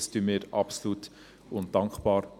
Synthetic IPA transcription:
stymɪːɾɑ̰psluːt | ʊnd̥ɑŋkχpɑːɾ

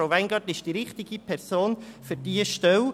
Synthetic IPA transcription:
aʊʋɛŋɡɑdɪʃd̥iːɾɪχtɪɡipʰɛɾsoːnfʏɾd̥iəʃtɛw

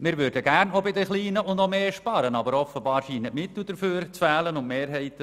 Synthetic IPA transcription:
mɪɾʋøɾdəɡ̥æɾnɔbɪdəχliːnəʔʊndɔmeːʃpɑɾənɑbəɾɔfəbɑːɾʃiːnətmɪt̪l̩ˠd̪əɾføːɾt͡sfæːlənʊnmeːɾɦɛɪt̪ə

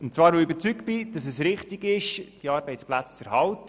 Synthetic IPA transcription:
ʊntt͡svɑːɾoybəɾt͡syk̚b̥ɪd̥ɑs̬ɛsɾɪχtiɡɪʃd̥iɑːɾbɛɪt͡splæt͡st͡sɛɾhɑlt

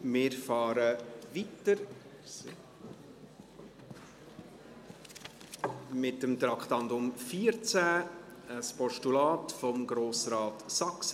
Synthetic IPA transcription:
mɪːɾfɑːɾəvitəɾ | mɪtəmt̪ɾɑktɑnd̪ʊmfiːəɾt͡sæəspɔʃtulɑːtfɔmɡɾoːsɾɑːtsɑks

